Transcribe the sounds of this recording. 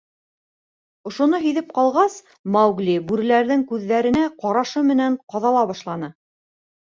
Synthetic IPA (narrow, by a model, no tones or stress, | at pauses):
ŏʃŏnɤɦɵ̆jðɘp̚qɑlˠʁɑs | mɑwɡlibʉɾɘ̆læɾðɘŋkʉðːæɾɘ̆næqɑɾɑʃɤmɘ̆næɴqɑðɑlˠɑβɑʃlˠɑnɤ